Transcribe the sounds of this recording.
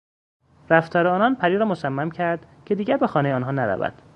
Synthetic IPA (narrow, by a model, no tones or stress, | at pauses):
ɾæft̪ʰɒːɾeɒːnɒnpʰæɾiɾɒːmosæmːæmcʰæɾd̪ | cʰe̞d̪iːɟæɾbexɒːnejeɒːnɦɒːnæɾæ̰væ̰d̪̥